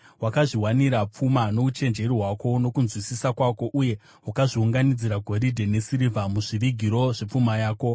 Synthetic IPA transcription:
wakaʐiwaniɾap͡fumano̞ut͡ʃe̞nd͡ʒe̞ɾiɦwako̞no̞kunzwisisakwako̞ʔuje̞ | ɦwakaʐiuŋɡanid͡ziɾaɡʱo̞ɾidʱe̞ne̞siɾivamuʐiʋiɡʱiɾo̞ʐe̞p͡fumajaːko̞

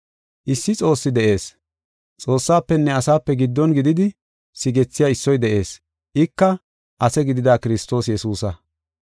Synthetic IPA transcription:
ʔɪsːɪt͡sʼo̞ːsːɪd̪ɛʔe̞ːs | t͡sʼo̞ːsːaːpːɛnːɛɐsaːpːɛɡɪd̪ːɔnɡɪd̪ɪd̪ɪ | sɪɡɛt͡sːɪjaːɪsːɔjd̪ɛʔe̞ːs | ʔɪkːɐ | ʔɐsɛɡɪd̪ɪd̪aːkɪɾɪst̪o̞ːsjɛsuːsɐ

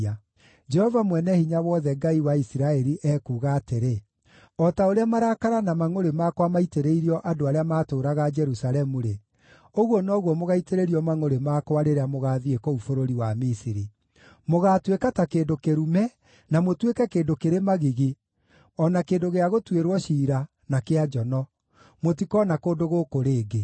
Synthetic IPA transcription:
a | d͡ʒɛhɔvamwɛnɛhiɲawɔðɛɡaiwaisiɾaɛɾiʔɛːkuːɣaːteɾe | ɔtaoɾeamaɾakaɾanamaŋoɾemakwamaiteɾeiɾiɔʔadoaɾeamaːtoːɾaɣad͡ʒɛɾusalɛmuɾe | oɣwɔnɔɣwɔmoɣaiteɾeɾiɔmaŋoɾemakoaɾeɾeamoɣaːðiekɔufoɾoɾiwamisiɾi | moɣaːtwekatakeːndokeɾumɛ | namotwekɛkeːndokeɾemaɣiɣe | ɔnakeːndoɣeaɣotweɾwɔʃiːɾa | nakead͡ʒɔnɔ | mot̬ikɔnakoːdoɣokoɾeːɡe

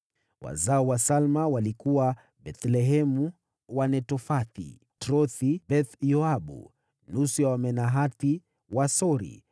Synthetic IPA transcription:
wa̰zaɔwasalmawalikuwa | bɛt̪lɛɦɛmu | wanɛtɔfaθḭ | tɾɔθibɛθjɔaɓṵ | nusujawamɛnaɦati | wasɔɾḭ

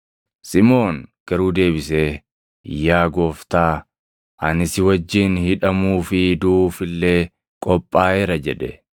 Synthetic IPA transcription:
sɪmo̞ːnɡ̥ɐɾuːd̪e̞ːbɪseː | jːaːɡo̞ːft̪aː | ʔɐnɪsɪwɐd͡ʒːɪnhɪᶑɐmuːfɪd̪uːfɪlːeː | kʼɔpʼːaːɛɾɐd͡ʒɛᶑɛ

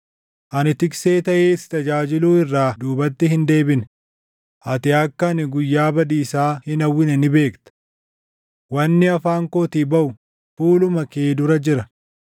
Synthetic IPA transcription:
ʔɐnɪt̪ɪkse̞ːt̪ɐʔeːst̪ɐd͡ʒaːd͡ʒɪluːɪrːaːd̪uːbɐt̪ːɪhɪnd̪e̞ːbɪn | ʔɐt̪ɪɐkːɐːnɪɡʊjːaːbɐd̪iːsaːhɪnɐwːɪnɛnɪbe̞ːkt̪ɐ̥ | wɐnːɪɐfaːŋkoːt̪ɪbɐʔʊ | fuːlʊmɐke̞ːd̪ʊɾɐd͡ʒɪɾɐ

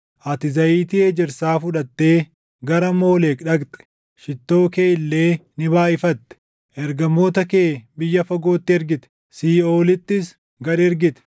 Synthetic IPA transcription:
ʔɐt̪ɪzɐiːt̪ɪeːd͡ʒɪɾsaːfʊᶑɐt̪ːe̞ː | ɡɐɾɐmo̞ːleːkᶑɐɡt̪ʼɛ̥ | ʃɪt̪ːo̞ːke̞ːɪlːe̞ːnɪβaːɪfɐt̪ːɛ̥ | ʔɛɾɡɐmːo̞ːt̪ɐkeːbɪjːɐfɐɡo̞ːt̪ːɪɛɾɡɪt̪ɛ̥ | siːoːlɪt̪ːɪs | ɡɐɾɪɛɾɡɪt̪ɛ̥

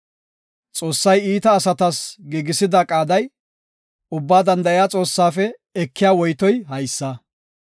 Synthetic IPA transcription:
t͡sʼo̞ːsːɐjiːt̪ɐːsɐt̪ɐsɡiːɡɪsɪd̪ɐkʼaːd̪ɐj | ʊbːaːd̪ɐnd̪ɐjaːt͡sʼo̞ːsːaːfɛ | ɛkːɪjaːwɔjt̪ɔjɦɐjsːɐ

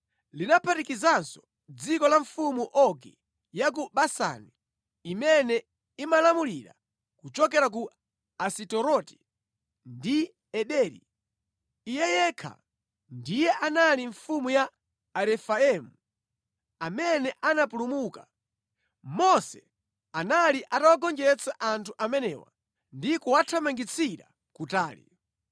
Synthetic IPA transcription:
linapʰatikizansɔ̥ | d͡zikɔlaɱfumuʔɔkḭ | jak̬uɓasa̰niː | mɛnɛ | imalamuliɾa̰ | kut͡ʃɔkɛɾak̬u | asitɔɾɔti̥ | ndi | ɛɗɛɾḭː | jɛjɛkʰa̰ | ndijɛʔanaliɱfumuja | aɾɛfaɛmu | amɛnɛʔanapulumuːka | mɔsɛ | analiʔatawaɡɔnd͡ʒɛt͡saʔantʰuʔamɛnɛwa̰ | ndikɔwatʰamaŋɡit͡sʰiɾa̰ | kutaːlḭ

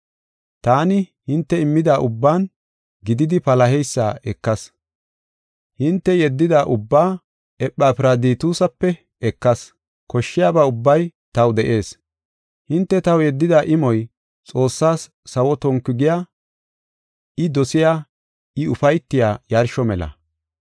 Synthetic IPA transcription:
t̪aːnɪhɪnt̪ːɛɪmːɪd̪aːʔʊbːaːn | ɡɪd̪ɪd̪ɪpɐlɐɦɛjsːaːʔɛkːɐs | hɪnt̪ːɛjɛd̪ːɪd̪aːʔʊbːaː | ɛpʼːaːpɪɾɐd̪iːt̪uːsɐpːɛ | ɛkːɐs | kɔʃːɪjaːbaːʊbːɐjt̪ɐwd̪ɛʔe̞ːs | hɪnt̪ːɛt̪ɐwjɛd̪ːɪd̪aʔɪmɔj | t͡sʼo̞ːsːaːsː | ɐwɔt̪ɔŋkːɪɡɪjaː | ʔɪd̪ɔsɪjaː | ɪʊfɐjt̪ːɪjaːjɐɾʃɔmɛlɐ̰

